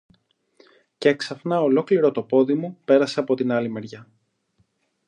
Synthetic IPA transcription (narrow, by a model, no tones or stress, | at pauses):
ceeksɐfnɐo̞lo̞kliɾo̞t̪o̞po̞ðimupe̞ɾɐseɐpo̞t̪inɐlime̞ɾʝɐ